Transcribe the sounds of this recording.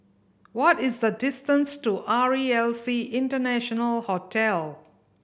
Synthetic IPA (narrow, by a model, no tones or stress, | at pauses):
wɔtɪzdədɪstə̃nstuʔaɹiɛlsiʔɪ̃ntənæʃɔnəlhotʰɛl